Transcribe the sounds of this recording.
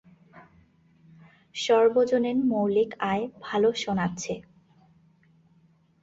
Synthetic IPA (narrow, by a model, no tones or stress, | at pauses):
ʃɔɾbod͡ʑonenmowlikaebʱaloʃonatːɕʰe